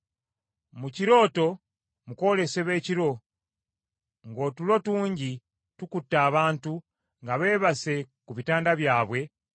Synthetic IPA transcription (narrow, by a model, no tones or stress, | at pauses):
muciɾo̞ːto̞ | muko̞le̞se̞βe̞ːciɾo̞ | ŋɡoːtulo̞tuːɲɟi | tukutːaːβaːntu | ŋɡaβe̞ːβase̞ | kuβitaːndaβjaːβwe̞